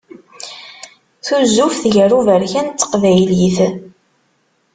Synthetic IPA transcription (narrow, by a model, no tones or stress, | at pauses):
θuzːufθʝəruvəɾçænt̪t͡s̪ːə̥qvæjliθ